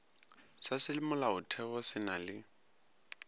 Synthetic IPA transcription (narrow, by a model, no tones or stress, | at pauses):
sasɪlɪmʊlaʊtʰɛβɔsɪnalɪ